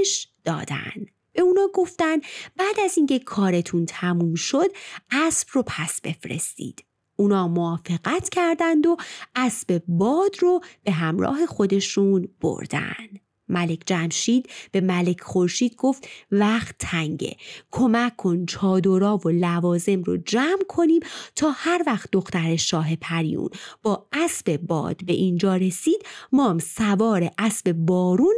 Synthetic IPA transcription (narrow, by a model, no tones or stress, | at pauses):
ʃd̪̥ɒ̰ːd̪æ̰nd̪̥ | b̥e̞uːnɒːɡo̞ft̪ænbæːd̪æziŋcʰe̞kʰɒːɾe̞t̪ʰunt̪ʰæmuːmʃod̪æsb̥ropʰæsbe̞̰fɾe̞̰st̪ḭːd̪̥ | ʔunɒːmoɒːfe̞ɣæt̪ʰcʰæɾd̪ænd̪o̞ʔæsb̥e̞bɒːd̪ɾob̥e̞ɦæmɾɒ̰ːɦe̞xo̞d̪e̞ʃunb̥o̰ɾd̪æ̰nd̪̥ | mæle̞cʰd͡ʒæmʃiːd̪b̥e̞mæle̞cʰχoɾʃiːd̪̚ɡo̞ft̪væxt̪ʰːæŋɟḛkʰo̞mæcʰːo̞nt͡ʃʰɒːd̪oɾɒːvolævɒːze̞mrod͡ʒæːmkʰo̞niːmt̪ʰɒːhæɾvæxt̪̚d̪oxt̪æɾe̞ʃɒːɦe̞pʰæɾḭjṵnb̥ɒːʔæsb̥e̞bɒ̰ːd̪̥be̞̰ʔind͡ʒɒːɾe̞siːd̪̥mɒːmsævɒːɾe̞ʔæsbe̞bɒːɾuːn